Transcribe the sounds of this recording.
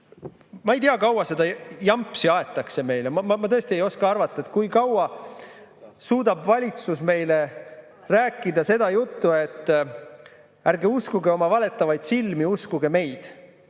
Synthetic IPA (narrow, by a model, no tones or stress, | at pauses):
mɑejt̪iɑkɑwɑse̞d̪ɑjɑmpːˑsiɑet̪ːˑɑkse̞me̞jlemmɑmɑt̪ɤest̪ie̞jo̞skɑɑrvɑt̪ˑːɑet̪̚kujkɑwɑ | suːd̪ɑbvɑlʲit̪susme̞jle̞ | ræːkːˑid̪ɑse̞d̪̥ɑjut̪ːuet̪ː | æɾɡe̞uskuɡeo̞mɑvɑle̞t̪ːˑɑvɑjd̪̥silmiuskuɡ̥e̞me̞jd̪̥